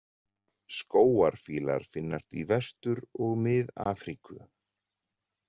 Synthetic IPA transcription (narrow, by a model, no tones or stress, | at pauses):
skoːwaɾ̥fiːla̰ɾ̥fɪnːast̪ivɛst̪ʏɾɔɣmɪða̰ːfɾikʏ̰